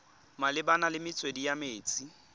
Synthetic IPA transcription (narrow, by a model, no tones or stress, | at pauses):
malɪbanalɪmɪt͡sʼwedijameːt͡sʼi